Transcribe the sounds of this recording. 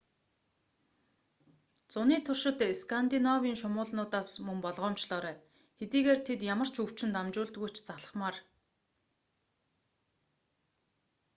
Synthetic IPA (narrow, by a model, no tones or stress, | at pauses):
t͡sʊniːt̪ʰʊrʃɪ̆t̪eskʰant̪inɔwiːŋʃʊmʊːɮnʊːt̪aːsmɵŋpɔɮʁɔːmt͡ɕɮɔːɾæː | xet̪iːɣeːrt̪ʰet̪jamə̆r̥t͡ɕʰɵw̥t͡ɕɪ̆nt̪amt͡ɕʊːɮt̪ɡujʰt͡ɕʰt͡saɮə̥̆χmaːr